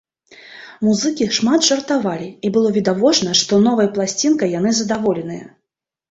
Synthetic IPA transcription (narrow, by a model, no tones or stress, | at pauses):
muzɨkʲiʂmat̪ʐɐrt̪avalʲiibɨlˠɔvʲid̪avɔt͡ʂnɐʂt̪ɔnɔvɐjɐplˠasʲt͡sʲinkɐjan̪ɨzɐd̪avɔlʲɛnɨjɐ̰